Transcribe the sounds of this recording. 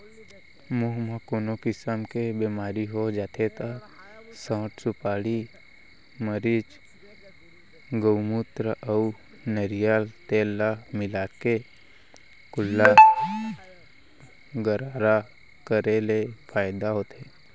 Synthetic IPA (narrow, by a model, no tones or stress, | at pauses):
mʊɦmakoːnokɪsəmkebeːmaːɾiɦod͡ʒaːt̪ʰet̪a | sə̃ːʈsʊpaːɽi | məɾiːd͡ʒ | ɡəʊmut̪ɾəʔəu | nəɾijaːlt̪eːlamɪlaːke | kʊlːa | ɡəɾaːɾa | kəɾelefʰaːjd̪aɦoːt̪eː